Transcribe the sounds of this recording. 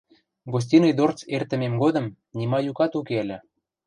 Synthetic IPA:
ɡos̬ʲtʲinɤjd̪ort͡sert̪ə̆memɡod̪ə̆m | nʲimɑjukɑt̪ukeəlʲɘ̆

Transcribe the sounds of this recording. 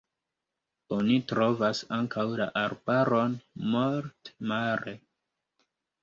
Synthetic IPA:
o̞nitɾo̞vasaŋkʰawla̰ʔaɾbaɾo̞nmoɾtmaɾe

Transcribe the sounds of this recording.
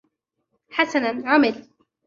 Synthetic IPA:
ħasanaʕʊmɪl

